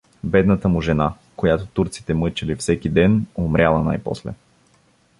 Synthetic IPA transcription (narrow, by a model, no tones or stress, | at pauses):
bɛd̪nət̪əmʊʒɛna | kojat̪ot̪uɾt̪si̥t̪ɛmɤt͡ʃilifsɛk̟id̪ɛnomɾʲalˠɐna̰jpɔ̰slɛ̰